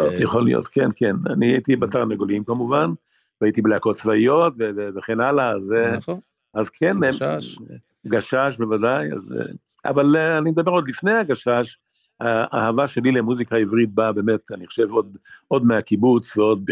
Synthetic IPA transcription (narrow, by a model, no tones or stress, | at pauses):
ojeχolḭjo̰t̪kʰenkena̰niait̪ibat̪aʁneɡolimkamuvan | vait̪ibleako̞tt͡svaijo̞t̪veveveχenalaːze | azkʰenem | ɡaʃaʃ̬bevadaja̰z̰ | a̰valanimed̪abe̞ʁo̞d̪lifne̞jaɡaʃaʃ | haʔahavaʃelilemuzikaivʁit̪̚babe̞ːmet̪aniχo̥ʃe̞vo̞d̪̚o̞d̪meakibut͡sveo̞d̪̚